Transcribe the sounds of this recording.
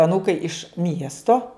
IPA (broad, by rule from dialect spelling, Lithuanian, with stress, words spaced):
ɐˈnuːkɐɪ ɪʃ ˈmʲiɛstoː